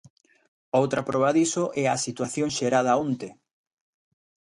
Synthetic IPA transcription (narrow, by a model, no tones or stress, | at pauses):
owt̪ɾapɾʔɔβaðisoʔɛasit̪waθjoŋʃeɾað̞aont̪e